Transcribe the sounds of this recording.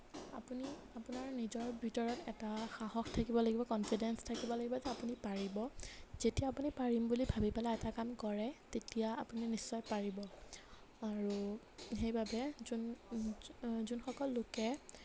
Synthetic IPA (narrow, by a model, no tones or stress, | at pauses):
a̰puniapunaɹnizɔɹbʱitɔɹɔtɛtaxaɦɔxtʰakibɔlaɡibɔkɔnfʰidɛnstʰakibɔlaɡibɔzɛapunipaɹibɔz̥etijaːpunipaɹimbulibʱabipɛlaɛtakamkɔɹɛtetijaːpuninisːɔjpaɹibɔ | aɹu | xejbabɛzun | zunxɔkɔlːokɛ